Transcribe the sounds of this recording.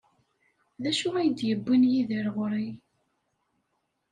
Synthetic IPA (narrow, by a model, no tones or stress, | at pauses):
ðæʃʊʁæjəd̪jəbːinjiðəɾʁɾˤi